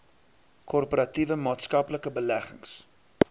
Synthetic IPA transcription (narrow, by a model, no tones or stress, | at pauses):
kʰɔrpoɾɐtivəmɑːtskɐpləkəbəlæχəŋs